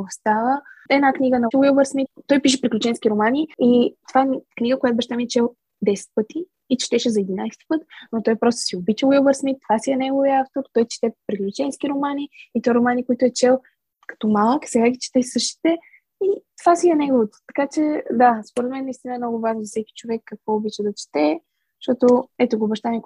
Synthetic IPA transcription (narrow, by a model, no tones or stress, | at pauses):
ost̪avəɛnakniɡənɐwilˠbəɾsmit̪ːɔjpiʃ̬ɛpɾiklʲut͡ʃɛnskʲiɾomaniit̪ovaɛkniɡəkojat̪ʊbɛʃt̪amiɛt͡ʃɛlˠ | d̪ɛsɛ̥t̪̚pɤt̪iː | t͡ʃt̪ɛʃɛzɐɛd̪inajst̪i̥pɤt̪not̪ɔjpɾɔst̪o̥siobit͡ʃɛwilˠbəɾsmit̪ːovasiɛnɛɡoviəaft̪oɾt̪ɔjt͡ʃi̥t̪ɛpɾiklʲut͡ʃɛnsk̟iɾomaniːt̪ɔjɾomanikoit̪ʊɛt͡ʃɛlˠ | kɐ̥t̪ɔmalˠəksɛɡaɡʲit͡ʃɛ̥t̪ɛsɤʃt̪i̥t̪ɛ | it̪ovasiɐnɛɡovot̪o̥t̪ɐ̥kat͡ʃɛd̪aspoɾɛt̪mɛnːɐist̪inəɛmnɔɡʊvaʒnozfsɛkʲi̥t͡ʃovɛkːɐkvɔobit͡ʃɛd̪ɐt͡ʃi̥t̪ɛ | ʃt̪ɔt̪oɛt̪oɡoːbɐʃt̪anɛk